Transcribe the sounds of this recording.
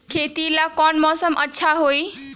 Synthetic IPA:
kʰet̪ilakɔnmɔsəmʔətːʃʰaɦoi

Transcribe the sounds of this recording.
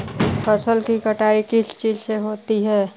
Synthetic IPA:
pʰɐsəlkikəʈaːikɪst͡ʃiːzseɦoːt̪iɦɛː

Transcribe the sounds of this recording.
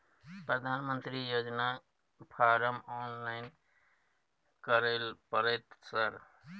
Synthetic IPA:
pɾəd̪ʱanmənt̪ɾijod͡ʒna | pʰaɾəmɔnlaɪn | kəɾəlpəɾɛt̪səɾ

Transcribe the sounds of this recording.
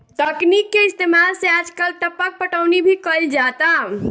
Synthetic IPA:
ʈəknikːeist̪emalsead͡ʒkəlʈəpək̚pəʈəwnibʱikəld͡ʒat̪a

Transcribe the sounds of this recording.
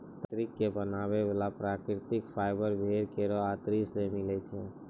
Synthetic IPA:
t̪ɾikːebənaːʋeʋalapɾakɾɪt̪ɪkpʰaːɪbəɾbʱeɾkeɾɔat̪ɾisemɪlɛt͡ʃʰe

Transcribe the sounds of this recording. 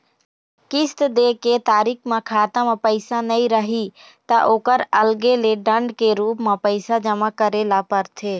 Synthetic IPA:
kɪst̪d̪eːket̪aːɾiːkʰmãkʰaːt̪ãmãpəɪsanəĩɾəɦi | t̪aʔoːkəɾəlɡeleɖə̃ɳɖkeɾuːpmãpəɪsad͡ʒəmakəɾeːlapəɾt̪ʰeː

